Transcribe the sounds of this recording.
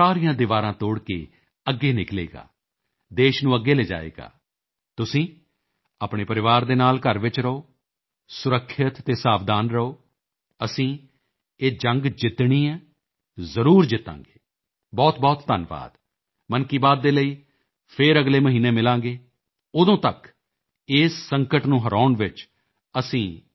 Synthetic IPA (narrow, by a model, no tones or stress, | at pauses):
saːɾijãːd̪ɪʋaːɾãːt̪oːɽkḛː | əɡːeːnɪklḛːɡa̰ː | d̪eːʃnũːəɡːeːleːd͡ʒa̰ːḛːɡa̰ː | t̪ʊsĩː | aːpɽeːpəɾɪʋaːɾd̪eːnaːlkəɾʋɪt͡ʃɾəoː | sʊɾəkʰːɪt̪t̪eːsaːbd̪aːnɾəoː | əsĩː | eːd͡ʒə̃ŋɡd͡ʒɪt̪ɳ̃iːɛː | zəɾuːɾd͡ʒɪt̪ã̰ːŋɡeː | bɔːt̪bɔːt̪ːənʋa̰ːd̪̥ | mənkiːbaːd̪̚ːeːləiː | pʰɪɾəɡleːməɦiːneːmɪlãːɡeː | ʊd̪õːt̪ək | ɪːsːəŋkəʈnũːɦəɾaːʊɳʋɪt͡ʃ | əsĩː